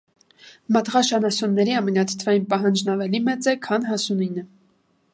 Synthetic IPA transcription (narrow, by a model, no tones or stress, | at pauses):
mɑt̪ʁɑʃɑnɑsunːɛɾiɑmɛnɑt̪ʰt̪ʰvɑjinpɑɦɑnd͡ʒnɑvɛlimɛt͡sɛkʰɑnɦɑsuninə